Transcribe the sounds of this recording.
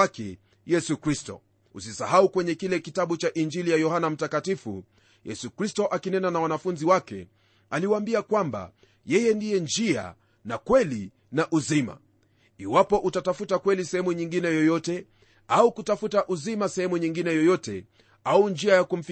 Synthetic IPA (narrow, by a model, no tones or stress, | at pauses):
akɛ̰ | jɛsukɾistɔ̰ | usisahaukwɛɲɛkilɛkitaɓut͡ʃaʔind͡ʒilijajɔhanam̩takatifṵ | jɛsukɾistɔʔakinɛnanawanafunziwakɛ̰ | aliwaaːmbiakwamba̰ | jɛjɛndijɛnd͡ʒia̰ | nakwɛli | naʔuzima̰ | iwapɔʔutatafutakwɛlisɛhɛmuɲiŋɡinɛjɔjɔtɛ | aukutafutaʔuzimasɛhɛmuɲiŋɡinɛjɔjɔtɛ | aund͡ʒiajakum̩fi